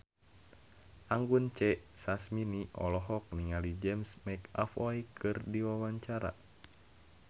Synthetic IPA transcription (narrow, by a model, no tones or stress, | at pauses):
ʔaŋɡunt͡ʃɛʔsasminiʔɔ̰lɔɦɔk̚niŋalid͡ʒɛmsmɛka̰fɔjkʰɨrdiwawaɲt͡ʃaɾa̰